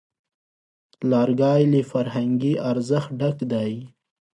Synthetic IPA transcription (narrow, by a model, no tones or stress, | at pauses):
lɑːɾɡɑːjlifaɾɦaŋɡiʔaɾzəxɖakd̪aj